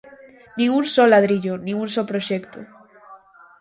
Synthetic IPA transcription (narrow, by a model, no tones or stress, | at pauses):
nĩŋunsɔlað̞ɾiʎonĩŋunsɔpɾoʃɛkt̪o